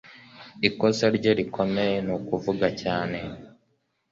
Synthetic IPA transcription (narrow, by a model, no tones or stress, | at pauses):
iko̞seɾɟo̞ɾikʰo̞meenukuvuɡacaːne̞